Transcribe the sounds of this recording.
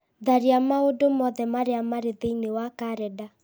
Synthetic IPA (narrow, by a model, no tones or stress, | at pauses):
ðaɾeamaodomɔðɛmaɾeamaɾeðeinewakaɾɛda